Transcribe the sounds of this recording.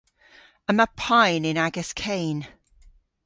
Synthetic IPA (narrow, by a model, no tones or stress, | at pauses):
əməpʰãɪnɪ̃naɡəskʰẽɪ̃n